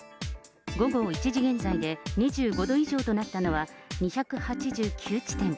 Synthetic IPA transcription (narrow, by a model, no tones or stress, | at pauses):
ɡo̞ɡo̞ːit͡ɕiʑiɡẽ̞nzaid̪e̞ɲ̟iʑɨːɡo̞d̪o̞iʑo̞ːt̪o̞nat̪ːano̞βaɲ̟içakɯ̟hat͡ɕiʑɨːkʲʰɨːt͡ɕi̥t̪ẽ̞ŋ